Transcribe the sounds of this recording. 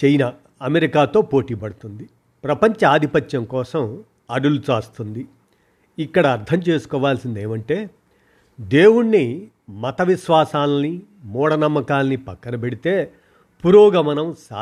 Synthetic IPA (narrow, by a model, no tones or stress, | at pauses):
t͡ʃejna | ɐmeɾikaːt̪o̞ːpo̞ːʈiːpɐɽut̪und̪i | pɾɐpɐɲt͡ʃɐaːd̪ʱipɐt̪jɐŋkɔːsɐm | ɐɽulut͡ʃaːst̪und̪i | ikːɐɽɐːɾt̪ʰɐmt͡ʃe̞ːsu̥kɔːʋaːlsind̪e̞ːmɐɳʈe̞ː | d̪e̞ːwuɽni | mɐt̪ɐʋiʃʋaːsaːlɐni | mɔːɽɐnɐmːɐkaːlɐnipɐkːɐnɐbeɽit̪e̞ː | puɾɔːɡɐmɐnɐmsa̰ː